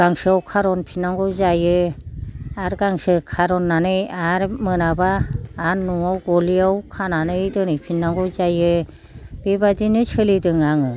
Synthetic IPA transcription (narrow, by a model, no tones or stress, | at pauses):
ɡaŋsɯawkʰaɾɔnpʰinːaŋɡɔzajɯ | aɾɡaŋsɯkʰaɾɔnːanɯjaɾmɯnabaːɾnɔawɡɔliawkʰananɯjdɯnɯjpʰinːaŋɡɔzajɯ | b̥ebadinɯt͡ʃʰɯlidɯŋaŋɯ